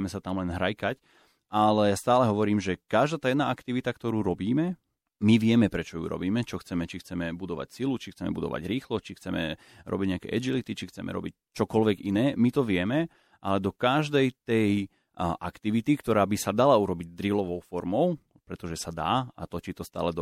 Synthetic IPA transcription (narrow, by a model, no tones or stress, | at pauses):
mɛsat̪amlɛnɦɾajkac | ʔalɛjast̪aːlɛɦɔʋɔɾiːmʒɛkaʒd̪aːt̪aːjɛd̪naːakt̪iʋit̪akt̪ɔɾuːɾɔbiːmɛ | miʋɪɛmɛpɾɛt͡ʃɔjṵːɾɔ̰biːmɛt͡ʃɔxt͡sɛmɛt͡ʃixt͡sɛmɛbud̪ɔʋa̰csilut͡ʃixt͡sɛmɛ̰bud̪ɔ̰ʋa̰ɟɾiːxlɔt͡ʃixt͡sɛmɛ̰ | ɾʔɔ̰biɟɲɛakɛ̰ːʔɛd͡ʒilit̪it͡ʃixt͡sɛmʔɛ̰ɾɔ̰bic̚ | t͡ʃɔkɔlʋɛɡinɛːmit̪ɔʋɪɛmɛ | ʔalɛd̪ɔkaʒd̪ɛjt̪ɛj | ʔakt̪iʋit̪ikt̪ɔɾaːbisad̪alauɾɔbiɟ̚d̪ɾilɔʋɔʊfɔɾmɔʊ | pɾɛt̪ɔʒɛsad̪a̰ːa̰t̪ɔt͡ʃit̪ɔst̪a̰ːlɛd̪